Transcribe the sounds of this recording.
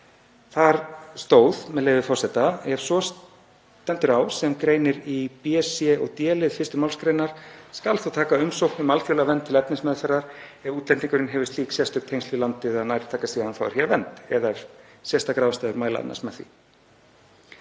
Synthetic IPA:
θaɾst̪oːwðmɛðleːjvɪfɔr̥sɛt̪aɛɾ̥sɔs | t̪ɛnt̪ʏɾaːwsɛmkɾejnɪɾipiɛsjɛɔɣt̪jɛːlɪðfɪst̪ʏmawlskɾejnaɾ̥skalθowt̪ʰaːkaʏmsowhknʏmalfjowlavɛnt̪ʰːɪlɛpnɪsmɛðʏθɛɾːaɾ̥ɛvuːt̪lɛnt̪iŋkʏɾɪnɦɛvɪst̪liːksjɛst̪ʏk̚t̪ʰejnst̪ilant̪ɪðaðnaːjɾɪ̥t̪ʰaːkasiːɣaðanθawɛɾ̥çɛɾavɛnt̪ɛðaɛɾ̥sjɛst̪akɾaːwvast̪aːðʏɾmaːjla̰a̰nːa̰smɛθvḭ

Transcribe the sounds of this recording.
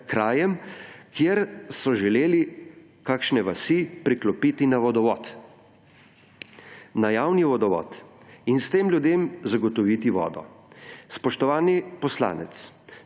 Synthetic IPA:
kɾaːjɛmkjeɾsɔʒɛleːli | kakʃnɛʋasipɾiklɔpit̪inaʋɔd̪ɔʋɔːt̪ | najaːwniʋɔd̪ɔʋɔ̰ːt̪ | inst̪eːmljud̪eːmzaɡɔt̪ɔʋiːt̪iʋɔ̰ːd̪ɔ̰spɔʃt̪ɔʋaːnipɔsla̰ːnɛ̰t̪s

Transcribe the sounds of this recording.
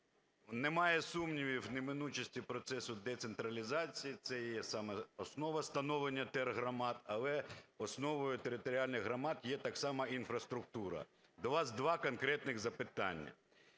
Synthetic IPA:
nemɑjɛsumnʲiʋʲiwnemɪnut͡ʃɐsʲtʲipɾɔt̪sɛsʊd̪ɛt̪sent̪ɾɐlʲizɑt͡sʲijit̪sɛjɛsɑmɛɔsnɔʋɐst̪ɐnɔʋlenʲːɐt̪ɛrɦɾɐmɑt̪ɐlˠɛɔsnɔʋɔjʊt̪eɾɪt̪ɔɾʲɑlʲnɪɣɦɾɐmɑt̪jɛt̪ɑksɑmɐinfɾɐst̪ɾʊk̚t̪uɾɐ̰ | d̪ɔʋɑzd̪ʋɑkɔnkɾɛt̪nɪɣzɐpɪt̪ɑ̰nʲːɐ̰

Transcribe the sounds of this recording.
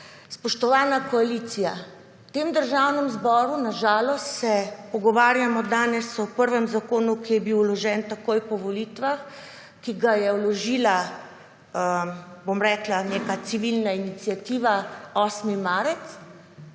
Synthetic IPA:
spɔʃt̪ɔʋaːnakɔaliːt̪sija̰ | wt̪eːmd̪əɾʒawnɛmzbɔːɾunaʒaːlɔst̪sɛpɔɡɔʋaːɾjamɔd̪aːnɛsɔpəɾʋɛmzakoːnukijɛbiwlɔʒɛnt̪akoːjpɔʋɔliːt̪ʋax | kiɡajɛwlɔʒiːla | bomɾɛklaneːkat̪siʋilnainit̪sjat̪iːʋaɔːsmimaːɾɛt̪s

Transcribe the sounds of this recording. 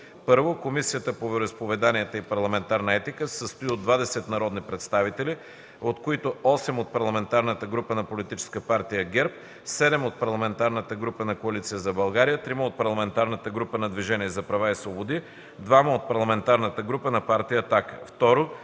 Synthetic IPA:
pɤɾvokomisijət̪əpovɛɾispovɛd̪aniət̪əipɐɾlˠɐmɛnt̪aɾnəɛt̪ikəsəst̪iod̪vad̪ɛsɛt̪nɐɾɔd̪nipɾɛt̪st̪avit̪ɛli | ot̪koit̪oɔsɛmot̪̚pɐɾlˠɐmɛnt̪aɾnət̪əɡɾupənɐpolit̪it͡ʃɛ̥skəpaɾt̪ijəɡɛɾp̚ | sɛd̪ɛmot̪̚pɐɾlˠɐmɛnt̪aɾnət̪əɡɾupənɐkoɐlit̪sijəzɐbɐlˠɡaɾijət̪ɾiməot̪̚pɐɾlˠɐmɛnt̪aɾnət̪əɡɾupənɐd̪viʒɛniɛzɐpɾɐvaisvobod̪i | d̪vaməot̪̚pɐɾlˠɐmɛnt̪aɾnət̪əɡɾupənɐpaɾt̪ijət̪akəft̪ɔɾo

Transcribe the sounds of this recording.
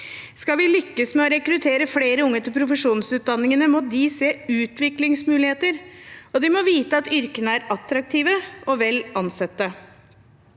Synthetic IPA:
skɑlʋɪlʏkːəsmɛɔɾɛkɾʉt̪ʰeːɾəfleːɾəʊŋːət̪ɪlpʰɾʊfəʂuːnsʉːt̪̚d̪ɑnːɪŋənəmɔd̪ɪseːʉːt̪ʰʋɪklɪŋsmʉːlɪheːt̪əɾɔd̪ɪmɔʋiːt̪əɑt̪ʏɾkənəæɾɑt̪ɾɑk̚t̪ʰiːʋəɔʋɛlːɑnsɛt̪ːə

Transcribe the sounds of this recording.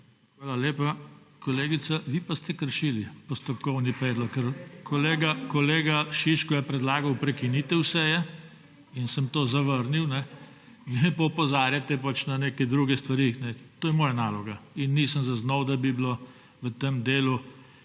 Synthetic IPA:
xʋaːlaleːpa | kɔleːɡit̪saʋipast̪ɛkəɾʃilipɔst̪ɔpkɔwnipɾeːd̪lɔkːəɾkʰɔleːɡakɔleːɡaʃiʃkɔjɛpɾɛd̪laːɡɐwpɾɛkiniːt̪ɛwsɛjɛ | insəmt̪oːzaʋəɾniwnɛ | ʋiɛpɐɔpɔzaːɾjat̪ɛpat͡ʃnaneːkɛd̪ɾuɡɛst̪ʋaɾixnɛt̪oːjɛmɔːjanaːlɔɡainːisəmzaznɔwd̪abiblo | ʋət̪emd̪eːlu

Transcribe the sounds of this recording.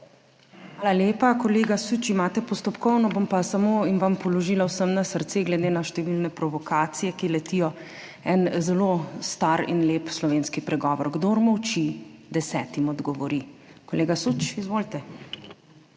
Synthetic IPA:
xʋaːlaljeːpakɔleːɡasut͡ʃimaːt̪ɛpɔst̪ɔpkɔwnɔbompasamoinʋampɔlɔʒiːlawsəmnasəɾt̪seɡlɛd̪eːnaʃt̪ɛʋilnɛpɾɔʋɔkʰaːt̪sijɛkilɛt̪ijɔ | ɛnzɛloːst̪aɾḭnleːpslɔʋeːnskipɾɛɡɔːʋɔɾɡd̪oɾmɔwt͡ʃid̪ɛsɛːt̪imɔd̪ɡɔʋɔɾikɔleːɡasut͡ʃizʋoːlt̪ɛ

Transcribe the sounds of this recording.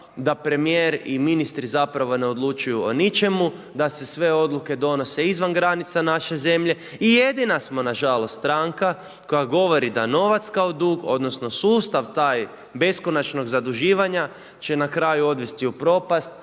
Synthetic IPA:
d̪apɾe̞mijeːɾiminist̪ɾizapɾaʋo̞ne̞o̞d̪lˠut͡ʃujuonit͡ʃe̞mu | d̪ase̞sʋe̞o̞d̪lˠuke̞d̪o̞no̞se̞izʋanɡɾanit̪sanaʃe̞ze̞mʎe̞ | ije̞d̪inasmo̞naʒalo̞st̪ːt̪ɾaŋka | ko̞jaɡo̞ʋo̞ɾid̪ano̞ʋat̪skaod̪uːɡo̞̰d̪no̞sno̞suːst̪aʋt̪aːj | be̞sko̞nat͡ʃno̞ɡzad̪uʒiːʋaɲa | t͡ʃe̞nakɾaːjuo̞d̪ʋe̞st̪iupɾo̞past̪

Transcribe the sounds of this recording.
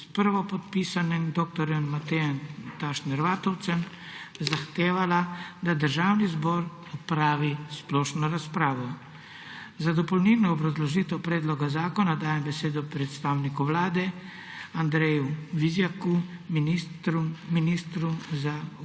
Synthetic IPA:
spəɾʋɔpɔt̪piːsanɛmd̪oːk̚t̪ɔɾjɛmːat̪ɛjɛnt̪aʃnɛɾʋaːt̪ɔwt̪sɛm | zaxt̪eːʋalad̪ad̪əɾʒaːwnizbɔːɾ | ɔpɾaːʋisplɔːʃnɔɾaspɾaːʋɔ | zad̪ɔpɔwnilnɔːbɾazlɔʒiːt̪ɛwpɾeːd̪lɔɡazaːkɔnad̪aːjɛmbɛseːd̪ɔpɾɛt̪st̪aːwnikuʋlaːd̪ɛ | and̪ɾɛjuʋizjakuminiɾuminiːst̪ɾumza

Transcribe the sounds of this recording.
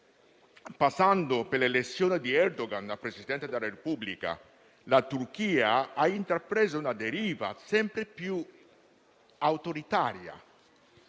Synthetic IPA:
pasːand̪opelelet̪sːjoːned̪iɛɾd̪oɡanapɾezid̪ɛnt̪ed̪elːaɾepublika̰ | lat̪urk̟iːaaint̪ɾapɾeːzounad̪eɾiːva̰sɛmpɾepju | awt̪oɾit̪aːɾja̰

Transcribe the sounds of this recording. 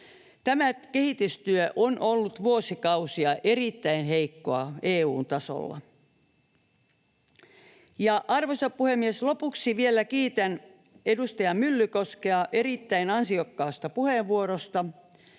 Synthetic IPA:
t̪æmækehit̪yst̪yøʔonʔolːut̪ʋuosikɑusiɑʔerit̪ːæinɦeikːo̰ɑ̰eːuːnt̪ɑso̰lːɑ̰ | jɑʔɑrʋosɑppuhemːieslopuksiʋielːækiːt̪æn | edust̪ɑjɑmylːykoskeɑʔe̞ɾit̪ːæinɑnsiokːɑːst̪ɑpuheʋʋuoɾost̪ɑ

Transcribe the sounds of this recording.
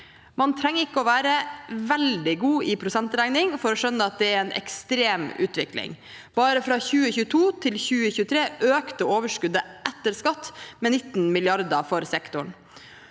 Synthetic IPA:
mɑnt̪ʰɾɛŋːəɾɪkːəɔːʋæːɾəʋɛld̪ɪɡuːɪpʰɾʊsɛnt̪ɾæɪnɪŋfɔɾɔʂœnːəɑt̪̚d̪ɛæɾɛnʔɛ̰kst̪ɾeːmʉ̰ːt̪ʰʋɪklɪ̰ŋ | b̥ɑːɾəfɾɑçʉːəçʉːət̪ʰuːt̪ʰɪlçʉːəçʉːt̪ʰɾeːʔøːkt̪əoːʋəʂkʉd̪əʔɛt̪ːəɾskɑt̪ːmɛnɪt̪ːnmɪlɪɑɾd̪əfɔɾsɛkt̪ʊɳ

